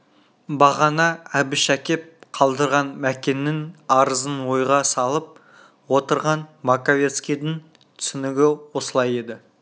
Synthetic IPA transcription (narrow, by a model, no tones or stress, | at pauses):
bɑʁɑnɑæbɪʃækʲe̞p̚qʰɑlˠd̪əɾʁɑnmækʲe̞nːɪŋɑɾəzənwo̞jʁɑsɑlˠəp̚ | wo̞t̪əɾʁɑnmakavʲe̞t̪skʲijd̪ɪŋ | t̪ʰʏ̥sɪnɪɡʲɪwo̞səlˠɑje̞d̪ɪ